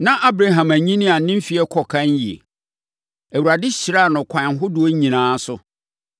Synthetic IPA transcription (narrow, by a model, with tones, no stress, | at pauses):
nã˦ʔa˦bɾa˨ɦã˨mæ˨ɲĩ˦nĩ˦a˨˦nɪ̃˦m̩˦fi˨ɛ˦kʰɔ˨kʰã˦n˦ji˨ḛ˨ | æ˨wu˨ɾa˨dɪ˦ɕi˨ɾa˦˨nʊ̃˨kʷʰã˨nɦʊ˦dʊ˨˦o˦ɲĩ˨nãː˨˦sʊ˦